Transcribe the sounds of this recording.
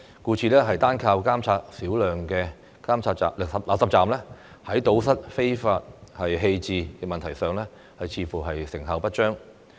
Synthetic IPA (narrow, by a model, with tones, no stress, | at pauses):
kuː˧t͡sʰiː˨˧lɛː˥ɦɐ˨jt̪aː˥nkʰaː˧wkaː˥mt͡sʰaː˧t̚siː˨˥wlœː˨ŋkɛ˧ | kaː˥mt͡sʰaː˧t̚t͡saː˨lsɐ˨p̚la˨sɐ˨p̚t͡saː˨˩mlɛː˥ | hɐ˨˥jt̪o˨˥wsɐ˥t̚fe˥jfaː˧t̚hɐ˨jɦe˧jt͡siː˨˧kɛ˧mɐ˨nt̪ʰɐ˨˩jsœː˨˧ŋlɛː˥ | hɐ˨jt͡sʰiː˧fuː˨˩ɦɐ˨jsɪ˨˩ŋɦɐ˨˧wpɐ˥t̚t͡ʃœː˥ŋ